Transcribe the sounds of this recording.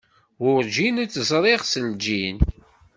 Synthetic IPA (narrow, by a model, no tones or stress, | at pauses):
ʊɾd͡ʒinæt͡sːəzˤɾˤiʁsəld͡ʒin